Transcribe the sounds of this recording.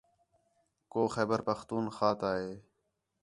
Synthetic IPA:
koːxɛːbəɾpəxt̪uːnxaːt̪aːɦeː

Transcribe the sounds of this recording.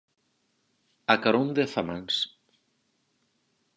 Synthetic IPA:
akaɾond̪eθamaŋs

